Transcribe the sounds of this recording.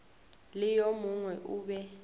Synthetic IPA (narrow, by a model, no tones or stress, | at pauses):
lɪjomuŋwɛʔuːɓɛ